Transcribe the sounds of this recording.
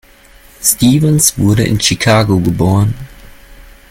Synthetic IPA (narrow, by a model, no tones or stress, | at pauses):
stiːvənsv̥ʊɐɾəʔɪ̰nʃikʰaːɡoɡəboːʁən